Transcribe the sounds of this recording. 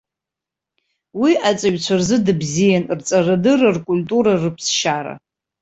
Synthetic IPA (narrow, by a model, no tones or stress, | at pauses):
wiat͡sʼaɥᶣt͡ɕʷʰarzɨdɨbzijanrt͡sʼarɨdɨrɨrkʼulʲtʼuɾarɨpʰsʃaɾa̰